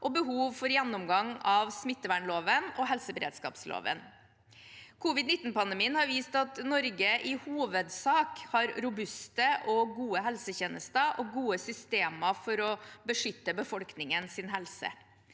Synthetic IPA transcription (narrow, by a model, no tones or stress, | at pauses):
ʔɔbəɦuːʋfɔɾjɛnːʊmɡɑŋɑʋsmɪt̪ːəʋæɳloːʋənɔɦɛlsəbəɾḛːd̪skɑ̰ːpslo̰ːʋə̰n | kʰuːʋɪd̪nɪt̪ːnpɑnd̪əmiːənhɑɾʋiːst̪ɑt̪nɔɾɡəʔɪhuːʋəd̪sɑːkhɑɾɾʊbʉst̪əʔɔɡuːəɦɛlsəçeːnəst̪əʔɔɡuːəsʏst̪eːməfɔɾɔbəʂʏt̪ːəbəfɔlknɪŋənsɪnɦɛlsə̰